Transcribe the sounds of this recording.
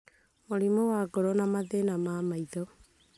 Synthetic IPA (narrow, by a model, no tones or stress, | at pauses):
moɾimowaɡɔɾɔnamaðenamamaiðɔ